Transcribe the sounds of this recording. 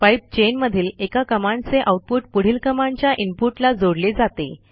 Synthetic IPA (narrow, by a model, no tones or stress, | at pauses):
pajp̚t͡ɕenməd̪ʱiːlekakəmãɳɖt͡seʔawʈ̪̚puʈpuɽ̤iːlkəmãɳt͡ɕjaʔimpuʈlad͡zoɽled͡zat̪ḛ